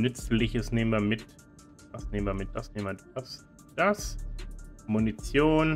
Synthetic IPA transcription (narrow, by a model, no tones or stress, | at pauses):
nʏt͡slɪçəsneːmənviɐmɪt | d̥asneːm̩viɐmɪt̚d̥asneːmviɐd̥as | d̥as | munit͡sjoːn